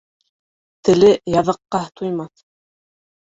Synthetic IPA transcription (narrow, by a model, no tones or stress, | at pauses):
t̪ɘ̆lɘjɑðɤ̆qːɑt̪ʰujmɑθ